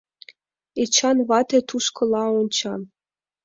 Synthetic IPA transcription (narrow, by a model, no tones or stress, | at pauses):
et͡ɕɑnβɑt̪ʲĕt̪uʃkɤ̆lˠɑont͡ɕɑ